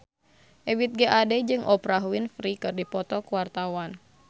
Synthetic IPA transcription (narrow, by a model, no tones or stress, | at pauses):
ʔɛwit̪̚ɡɛʔadɛd͡ʒɨŋʔɔpɾaɦuinfɾikɨrdipɔt̪ɔkuwart̪awan